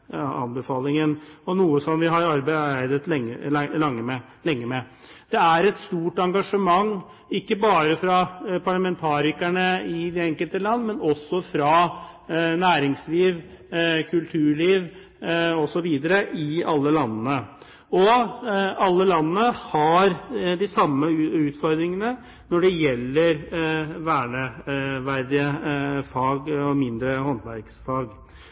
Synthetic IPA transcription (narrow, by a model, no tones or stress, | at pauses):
ɑ̰nbəfɑːlɪŋənɔnuːəsɔmʋɪɦɑɾɑɾbæɪæɪd̪ət̪ɛŋəlɑŋːəmɛ | lɛŋːəmɛ | d̪̥ɛæɾɛt̪st̪uːʈɑŋɡɑʂəmɑŋː | ɪkːəbɑːɾəfɾɑpʰɑɭɑmɛnt̪ʰɑːɾɪkæɳəɪd̪ɛɛŋkəlt̪əlɑnːmɛnɔsːɔfɾɑ | næːɾɪŋsliːʋkʰʉlt̪ʰʉːɭiːʋ | ɔsɔʋiːd̪əɾəʔɪɑlːəlɑnnə | ɔ | ɑlːəlɑnənəhɑɾd̪ɪsɑmːəʉːt̪fɔɾd̪ɾɪŋənə | nɔɖɛjɛlːəɾʋæːɳəʋæɾd̪ɪəfɑːɡɔmɪnd̪ɾəhɔnt̪ʋæɾɡsfɑːɡ